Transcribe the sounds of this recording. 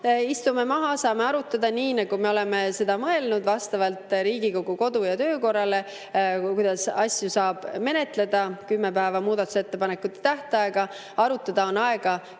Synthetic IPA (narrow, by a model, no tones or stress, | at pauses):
ist̪ume̞mɑɦɑsɑːme̞ɑɾut̪ːˑɑd̪̥ɑniːnɑɡ̥ume̞o̞le̞me̞se̞d̪ɑmɤe̞lnud̪vɑst̪ɑvɑlt̪ˑɾiːɡ̥iko̞ɡ̥uko̞d̪ujɑt̪ø̞ːko̞rːɑle̞ | kujd̪̥ɑsɑsʲjusɑːb̥me̞ne̞t̪le̞d̪̥ɑkymːepæːvɑmuːd̪̥ɑt̪ːˑu̥se̞t̪ːe̞pɑnekːˑut̪ːˑe̥t̪æht̪eɑe̞ɡ̥ɑ | ɑɾut̪ːˑɑd̪̥ɑo̞nɑe̞ɡ̥ɑ